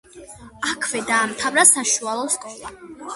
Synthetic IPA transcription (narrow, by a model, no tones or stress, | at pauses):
akʰvɛd̪aːmt̪ʰavɾasaʃualˠɔskʼɔla